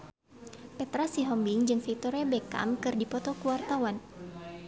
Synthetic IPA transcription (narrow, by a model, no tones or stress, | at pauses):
pɛt̪ɾasiɦɔmbiŋd͡ʒɨŋfit̪ɔɾabɛka̰mkɨrdipɔt̪ɔkuwart̪awan